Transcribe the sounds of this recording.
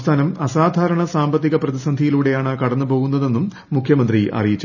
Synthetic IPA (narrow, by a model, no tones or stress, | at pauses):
t̪ʰaːnɐmɐsaːd̪ʱaːɾɐɳɐsaːmbɐt̪ːiɣɐprɐðisɐnd̪ʱijiluːɽe̞jaːɳɨkɐɽɐnːɨpo̞ːɣunːɐðe̞nːumː | ukʰjɐmɐnd̪riʔɐ̰rijit͡ɕː